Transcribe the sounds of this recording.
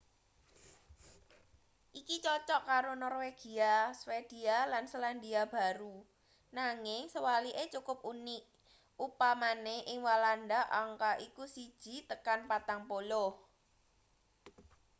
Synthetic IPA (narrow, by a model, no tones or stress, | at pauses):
ʔikit͡ʃɔt͡ʃɔʔkaɾonɔrweɡ̥iaswed̪̥ialansəland̪iab̥a̤ɾu | naŋɪŋsəwaliʔet͡ʃukʊp̚uniʔ | upamaneʔɪŋwaland̪aʔaŋkaʔikusid̥ʒ̥i̤t̪əkanpat̪aŋpolʊh